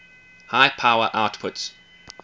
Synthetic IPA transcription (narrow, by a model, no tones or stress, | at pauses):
haɪpʰaʊə˞ʔaʊtpʰʊts